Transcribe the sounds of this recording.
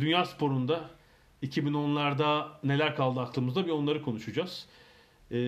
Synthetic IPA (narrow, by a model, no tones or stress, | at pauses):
d̪ynjaːspʰo̞ɾund̪a | icʰibino̞nlˠaɾd̪ane̞lʲæɾkʰalˠd̪ɯaklˠɯmɯzd̪abio̞nlˠaɾɯkʰo̞nuʃud͡ʒaz̥